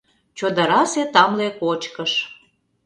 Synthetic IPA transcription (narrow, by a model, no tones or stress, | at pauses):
t͡ɕod̪ɑɾɑset̪ɑmlekot͡ɕkəʃ